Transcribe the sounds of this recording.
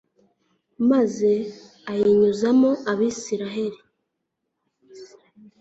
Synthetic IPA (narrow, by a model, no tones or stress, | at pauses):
maze̞ | ajiɲuzamo̞ʔaβiːsiɾaɦe̞ɾi